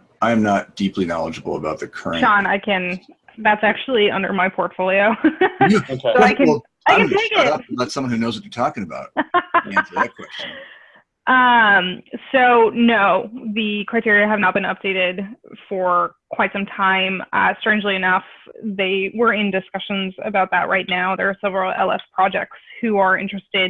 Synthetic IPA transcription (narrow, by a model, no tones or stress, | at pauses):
ʔãɪɨ̃mnət̚d̥iplinɑ̰lˠəd͡ʒəbl̩ˠə̰baʊt̪̚ðɨkʰɜ̰˞ɨd͡ʒ̃ɑ̃naɪkʰɨ̃n | ðætsæk̚t͡ʃʉul̩ˠiʌ̰̃ndə̰˞maɪpʰɔɹtfoʊlˠioʊ | soʊaɪkɨ̃ | aɪkɨ̃ntʰeɪkɪt̚ðætsʌ̃mwʌ̃nhʉnoʊzwʌt͡ʃə˞tʰɔkɪ̃ŋɨba̰ʊt̚ | ɨt̚kʰw̥ɛst͡ʃn | ʔʌ̃msoʊnoʊðɨkʰɹ̥aɪtʰɪɹiɨɨvnət̚b̥ɨ̃nʌ̰p̚d̥eɪɾɪdfə˞kʰw̥aɪtsʌ̃mtʰãɪ̃mʌ̰stɹ̥ẽnd͡ʒliɨnʌfðeɪwə˞ɪ̃ndɨskʌʃɨ̃nzɨ̰baʊt̪̚ðɨ̰ʔ̚ɹʔa̰ɪtⁿnaʊðə˞ːsɛvɹl̩ˠɛ̰lˠɛ̰spʰɹ̥ɑd͡ʒɛ̰k̚tsshʉə˞ɪ̃nt͡ʃɹ̥ɨstɪd̚